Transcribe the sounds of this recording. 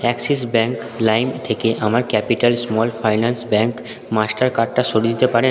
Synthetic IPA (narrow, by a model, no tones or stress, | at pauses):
ɛkses̬bɛŋk | lajmt̪ʰekeʔamaɾkɛpiʈalsmɔlfajnansbɛŋk | masʈaɾkaʈːaʃoɽed̪it̪epaɾe